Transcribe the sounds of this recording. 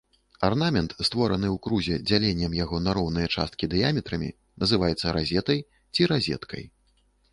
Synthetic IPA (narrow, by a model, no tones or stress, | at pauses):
arnamʲɛnt̪st̪vɔɾɐnɨwkɾuzʲɛd͡zʲalʲenʲːɛmjaɣɔnaɾɔwnɨjɐt͡ʂa̰st̪̚kʲid̪ɨjamʲɛt̪ɾɐmʲḭ | nɐzɨvajɛt̪sːɐɾazʲɛt̪ɐj | t͡sʲiɾazʲɛ̰t̪kʰɐ̰j